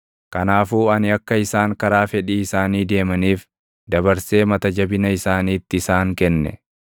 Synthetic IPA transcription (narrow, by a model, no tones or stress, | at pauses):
kɐnaːfuːɐnɪɐkːɐɪsaːŋkɐɾaːfɛᶑiːɪsaːniːd̪e̞ːmɐniːf | d̪ɐβɐɾse̞ːmɐt̪ɐd͡ʒɐbɪnɐɪsaːniːt̪ːɪɪsaːŋkɛnːɛ̰